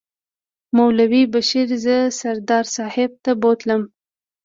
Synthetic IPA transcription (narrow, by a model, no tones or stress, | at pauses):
mawlawibaʃiɾzəsaɾd̪ɑɾsɑhɪb̚t̪abot̪ləm